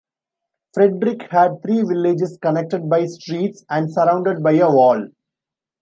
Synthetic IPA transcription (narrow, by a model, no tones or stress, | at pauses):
fɾeɖɾɪkhæɖ̚t̪ʰɾiːʋɪlːed͡ʒɪskɐnek̚ʈeɖ̚baɪsʈɾiːʈsæ̃ɳɖsɐɾãʊ̃ɳɖeɖ̚baɪəʋɔːl